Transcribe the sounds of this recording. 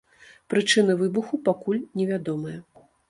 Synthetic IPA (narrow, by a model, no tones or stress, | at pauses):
pɾɨt͡ʂɨn̪ɨvɨbuxupakulʲnʲɛvʲad̪ɔmɨjɛ